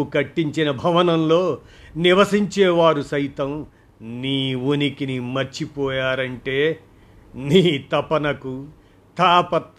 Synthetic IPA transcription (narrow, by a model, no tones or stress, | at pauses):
ukɐʈːiɲt͡ʃinɐbʱɐʋɐnɐmlo̞ː | niʋɐsiɲt͡ʃɛːʋaːɾusɐjt̪ɐm | niːunikinimɐɾt͡ʃipɔːjaːɾɐɳʈe̞ː | niːt̪ɐpɐnɐku | t̪ʰaːpɐt̪